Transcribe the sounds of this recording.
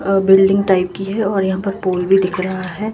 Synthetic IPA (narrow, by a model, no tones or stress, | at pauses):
bɪlɖɪ̃ŋɡ̚ʈaːɪp̚kiɦɛɔːɾjɐɦãpɐɾpoːlbʱid̪ɪkʰɾɐɦaɦɛː